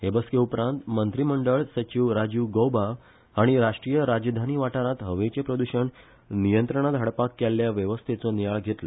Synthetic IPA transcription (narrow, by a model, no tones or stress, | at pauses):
ɦebəskeupɾãnt̪mənt̪ɾiməɳɖəɭsət͡ɕiʋɾad͡ʑuʋɡowba | aɽ̃iɾaʂʈɾijəɾad͡ʑd̪ʱaniːʋaʈaɾãt̪ɦəʋet͡ɕepɾəd̪uɕəɳ | nijənt̪ɾəɳ̃ad̪ʱɦaɽpakːelːjaʋjəʋəst̪ʰet͡sɔnijaɭɡʱet̪lɔ